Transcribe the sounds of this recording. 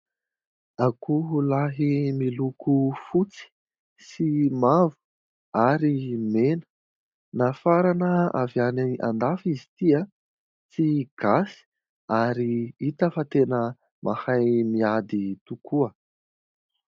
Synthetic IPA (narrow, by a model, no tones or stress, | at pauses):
akʰuɦulaɦimilukʰufut͡si̥ | simavu̥ | aɾimenə̥ | nafaɾanəa̰vjaniʔa̰nd̪afizi̥t̪ia | t͡siɡ̥asi̥ | aɾiit̪əfat̪enə | mʔahajmiad̪it̪ukʰuə